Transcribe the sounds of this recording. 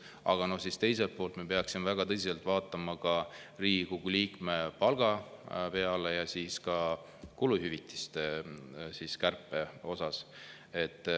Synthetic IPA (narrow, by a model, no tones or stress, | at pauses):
ɑ̰ɡ̥ɑno̞hsist̪e̞jse̞lt̪̚po̞ːlt̪mepe̞ɑksimevæɡ̥ɑt̪ɤsiselt̪vɑːt̪ːˑɑmɑkɑriːkuɡuliːkme̞pɑlɡ̥ɑpe̞ɑle̞jɑsiːskɑ | kuluhyvit̪ːi̥st̪esiːskærpːˑe̞o̞sɑs | e̞t̪ːˑ